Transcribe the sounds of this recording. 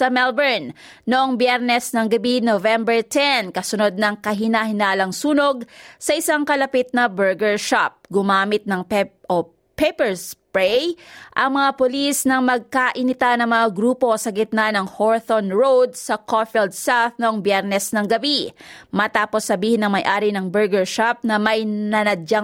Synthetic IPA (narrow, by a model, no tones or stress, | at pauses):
sɐmɛlbɛɹn | noʔoŋbjɛɾnɛsnɐŋɡɐbinovɛmbɛɹt̪ʰɛnkɐsʊno̞d̪̚nɐŋkɐɦɪnahɪnaːlɐŋsuːnoɡ̚sɐʔɪsaŋkɐlɐpit̪̚nɐbɛɹɡɛɹʃap̚ɡʊmaːmɪt̪̚nɐŋpʔo | pejpɛɹspɹɛjʔɐŋmɐŋapʊlisnɐŋmɐɡ̚kaʔɪnɪt̪anɐŋmɐŋaɡɾuːpo̞sɐɡɪt̪̚nanɐŋhoɹθonɹowd̪̚sɐkofɛld̪̚sawθnoŋbjɛɾnɛsnɐŋɡɐbimɐt̪aːpo̞sːɐbiːhɪnɐŋmɐjʔaːɾinɐŋbɛɹɡɛɹʃap̚nɐmɐjnɐnɐda